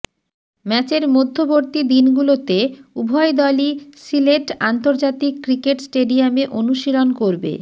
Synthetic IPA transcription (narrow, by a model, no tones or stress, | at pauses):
mɛt͡ɕeɾmod̪ʱːoboɾt̪id̪inɡulot̪eubʱɔed̪ɔlisileʈant̪oɾd͡ʑat̪ikːɾikeʈsʈeɖiameʔonuʃilonkoɾbḛ